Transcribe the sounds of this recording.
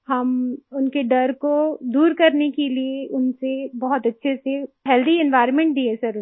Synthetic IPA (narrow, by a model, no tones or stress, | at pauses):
hɐmʊnkeɖɐɾkod̪uːɾkɐɾnekelieʔʊnsebɔɦɔt̪ɐtːʃʰeseɦɛːld̪ʱiɪ̃nʋaːɪɾnmẽɳʈ̚d̪iːesɐɾʊ